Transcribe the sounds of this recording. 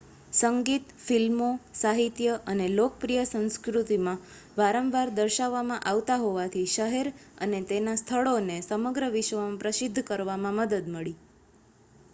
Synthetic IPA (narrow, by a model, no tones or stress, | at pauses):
səŋɡit̪filmosaɦit̪jəʔənelokəpɾijəsə̃ñskɾut̪imã | ʋaɾəmʋaɾd̪əɾʃaʋːamãʔaʋt̪aɦoʋat̪ʰiʃəɦeɾə̰net̪enast̪ʰəɭonesəməɡɾəʋɪʃʋəmãpɾəsɪd̪ʱːkəɾʋamãməd̪əd̪məɭi